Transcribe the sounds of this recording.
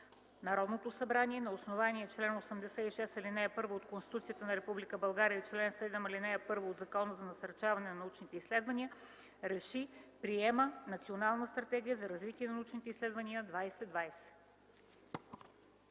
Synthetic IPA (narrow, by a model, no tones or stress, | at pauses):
nɐɾɔd̪not̪osɐbɾaniɛnɐosnovanʲiɛt͡ʃlɛnosəmd̪ɛsɛiʃɛsɐlinɛjəpɤɾvoot̪konst̪i̥t̪ut̪sijət̪ənɐɾɛpublikəbɐlˠɡaɾiəit͡ʃlɛnsɛd̪ɛmɐlinɛjɐpɤɾvoːd̪zɐkɔnəzɐnɐsɐɾt͡ʃavɐnɛnɐnɐut͡ʃnit̪ɛislɛd̪vɐniə | ɾɛʃipɾiɛmənɐt̪sionalˠnəst̪ɾɐt̪ɛɡʲijəzɐɾɐzvit̪ʲiɛnɐnut͡ʃnit̪ɛislɛd̪vəniəd̪vajsɛd̪vajsɛ̥